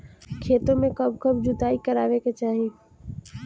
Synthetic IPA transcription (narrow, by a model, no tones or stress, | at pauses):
kʰeːt̪õmẽkəbkəbd͡ʒʊt̪aːikəɾaːʋeket͡ʃaːɦĩː